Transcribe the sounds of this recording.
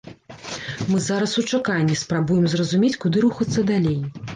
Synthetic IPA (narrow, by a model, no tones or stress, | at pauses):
mɨzaɾɐsut͡ʂakanʲːispɾabujɛmzrɐzumʲet͡sʲkud̪ɨɾuxɐt̪sːɐd̪alʲej